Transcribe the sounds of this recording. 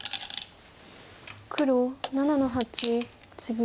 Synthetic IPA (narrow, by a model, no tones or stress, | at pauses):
kʰɯ̟ɾonananoɦat͡ɕi | t͡sɨɡʲi